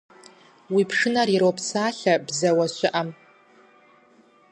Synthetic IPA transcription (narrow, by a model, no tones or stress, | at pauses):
wipʰʂɨnaɾiɾowpʰsaːɬabzawaɕʷɪʔam